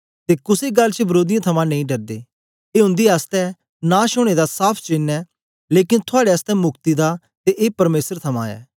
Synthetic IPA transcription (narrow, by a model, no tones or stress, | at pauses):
t̪eːkʊseɡɐlt͡ʃəbɐɾoːd̪ɪjãt̪ʰɐmãnɐ̃ĩɖɐɾd̪eː | eːʊ̃nd̪iast̪ɛ | nãːʃʊɽ̃ed̪asaːpʰt͡ʃɪnɛː | leːkɪnt̪ʰʊaːɽeɐst̪ɛmʊkt̪id̪a | t̪eʔeːpɐɾmeːsəɾt̪ʰɐmã̰ɛ̰ː